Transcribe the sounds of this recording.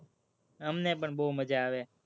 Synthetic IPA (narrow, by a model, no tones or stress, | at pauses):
əmnẽːpəɳɓoːməd͡ʒaːaʋeː